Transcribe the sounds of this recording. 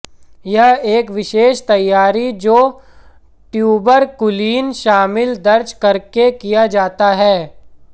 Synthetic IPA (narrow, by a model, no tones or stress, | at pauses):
jɐɦeːkʋɪʃeːʃt̪ɐjːaːɾid͡ʒoː | ʈjuːbəɾkʊliːnʃaːmɪld̪ɐɾd͡ʒkɐɾkekijad͡ʒaːt̪aɦɛː